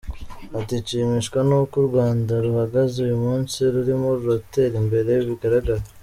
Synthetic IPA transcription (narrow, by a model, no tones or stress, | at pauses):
atit͡ʃimiʃkwanukuɾɡwaːndaɾuhaɡazeujumuːnsiɾuɾimoɾuɾate̞ɾimbe̞ɾe̞jiβiɡaɾaɡaɾa